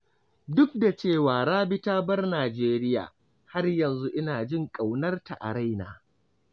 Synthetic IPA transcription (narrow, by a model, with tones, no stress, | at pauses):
dʊ˦k̚da˨t͡ʃeː˦˨waː˨ɾaː˦bɪ˦taː˦bɐ˦rnaː˨d͡ʒeː˦ɾɪ˦ja̰ː˨ | ha˦rjɐ˨nzu˦ʔɪ˦naː˨d͡ʒɪ˦ŋkʼa˨wnɐ˦rta˨ʔa̰˨ɽa˦jna̰ː˨